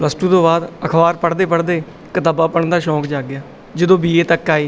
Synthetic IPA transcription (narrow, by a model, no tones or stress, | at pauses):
pləsʈũːt̪õːbaːd̪əkʰʋaːɾpəɽd̪eːpəɽd̪eː | kət̪abaːpəɳd̪aːʃɔːkd͡ʒaːɡɪaː | d͡ʒəd̪õːbiːeːt̪əkːaːeː